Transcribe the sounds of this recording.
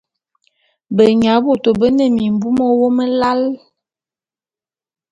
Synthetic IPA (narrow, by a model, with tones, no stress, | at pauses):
bə˨ɲa˨˦bu˦˨to˨bə˦nə˦˨mi˨m˨bu˦mo˦wo˦mə˦la˦l